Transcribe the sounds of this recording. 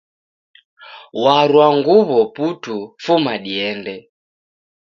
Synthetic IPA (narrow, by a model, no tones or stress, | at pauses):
waɾwaŋɡuβɔputufumaɗiɛndɛ